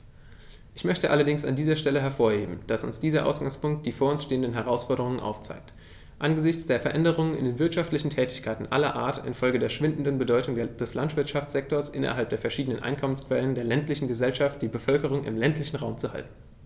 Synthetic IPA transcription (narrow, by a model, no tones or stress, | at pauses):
ʔɪçmœçtəʔalɐdɪŋsa̰ndiːzɐʃtɛləɦɛɐfoːɐheːbm̩d̥asʊ̰nsd̥iːzɐʔa̰ʊsɡ̥aŋspʊŋk̚t̚d̥iːfoːɐʊnsʃteːəndənɦɛʁ̞aʊsfɔɐɾəʁʊŋənʔa̰ʊft͡sa̰ɪk̚t | ʔanɡəzɪçt͡sd̥eːɐfɛɐʔɛndəʁ̞ʊŋənɪ̰ndeːnvɪɐtʃaftlɪçn̩tʰɛːtɪ̥çkʰaɪtn̩ʔa̰lɐʔa̰ːɐtɪ̰nfɔlɡədeːɐʃv̥ɪndn̩dənbədɔʏtʊŋded̥ɛslantv̥ɪɐtʃaft͡sz̥ɛk̚toːɐsʔɪnɐ̰ɦalp̚d̥eːɐfɛɐʃiːdənənʔa̰ɪnkʰɔmənskv̥ɛləndeːɐlɛntlɪçn̩ɡəzɛlʃaft̚d̥iːbəfœlkəʁ̞ʊŋɪ̰mlɛntʰlɪçn̩ʁaʊmt͡suha̰ltn̩